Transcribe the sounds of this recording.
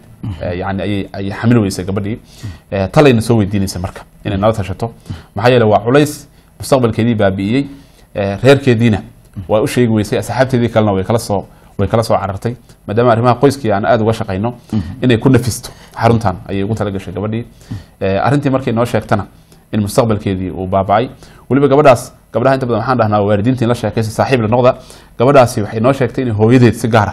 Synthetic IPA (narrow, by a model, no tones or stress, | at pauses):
ʔɛjɑʕnɪɐjɛjɐjħɑmɪlɪwɛjsɛjɡɐbɐɖiːɛːt̪ʰɐlɛjnɐsɔːwɛjd̪iːnɛjsɛjmɐrkʰɐ̥ʔɪnɛjnɐlɐt̪ʰɐʃɐt̪ʰɔmħɑːjɛːlɛjwɑːʕʊlɛjs | mʊst̪ɐqbɐlkʰɛːðiːbaːbɪɪjɛj | ɛːrɛːrkʰɛːðiːnɐ | wɑːʊʃɛːɣɪwɛjsɛjɐsħaːbt̪ʰɛːðiːkʰɐlɛnɐwɛjkʰɐlɐsɔː | wɛjkʰɐlɐsɔːʕɑɾɐrt̪ʰɛjmaːd̪aːmɐːrɪmɐɦɐqɔjskʰiːaːna̰ːd̪ʊɣɐʃɑqɛjnɔɪnɛjkʰʊnɐfɪst̪ʰɔ̥ħɑɾʊnt̪ʰɐnʔɐ̰jɛjʊɣʊt̪ʰɐlɐɡɐʃɛjɡɐβɐɖiː | ɛːʔɐ̰rɪnt̪ʰiːmɐrkʰɛjnɔːʃɛːɡt̪ʰɐnɐ | ɪnmʊst̪ʰɐqbɐlkʰɛːðiːʔṵːbaːbaʔɛjwɐlɪβɐɡɐβɐɖaːs | ɡ̥ɐbɖɐɦɐɪnt̪ɐbɐðɐnwħaːnɖɐɦnaːwwaːɾɪðiːnt̪iːnlɐʃɛːkʰɛjs̬ɔsaːħiːblɐnɔqðɐ | ɡ̥ɐβɐɖaːsɪwɑħɑjnɔːʃɛːɡt̪ʰɛjɪnɛjɦɔːjɐðɛːðsɪɡaːɾɐ